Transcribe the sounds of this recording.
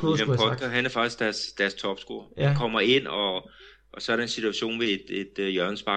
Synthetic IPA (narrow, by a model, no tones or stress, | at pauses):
empʰɒ̥ɡ̥ɐɦænæɐfɑ̈ɡ̥isɡ̥d̥æɐsd̥æɐst͡sʰɒ̽b̥sɡ̥o̝ɐækʰɒ̽m̰ɐe̝n̰ɒ̽ | ʔːsɒ̽ɐɾ̥ɑ̈e̝nsit͡sʰuæɕo̝̰ːnʋe̝e̝d̥e̝d̥jœɐnəsb̥ɑ̈